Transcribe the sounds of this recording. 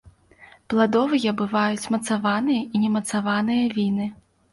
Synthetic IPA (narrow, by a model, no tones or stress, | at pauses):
plˠad̪ɔvɨjɛbɨvajut͡sʲmɐt̪savanɨjɐinʲɛmɐt̪savanɨjɐvʲinɨ